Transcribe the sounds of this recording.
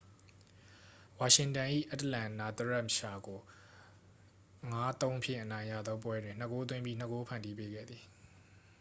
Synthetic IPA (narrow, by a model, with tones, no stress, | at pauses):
wa˨ʃɪ̃˨ntã˨ʔḭ˦˨ʔa˦təlã˨na˨t̪əɹɛ˦˨mʃa˨ɡo˨ | ŋa˦t̪õ˦ʊ̃pʰjɪ̰̃˦˨ʔənã˨ɪ̃jä̰˦˨d̪ðɔ˦p̬wɛ˦dwɪ̃˨n̥ə˦˨ko˦t̪̬wɪ̃˦mbji˦n̥ə˦˨ko˦pʰã˨ndi˦pe˦ɡɛ̰˦˨d̪ði˨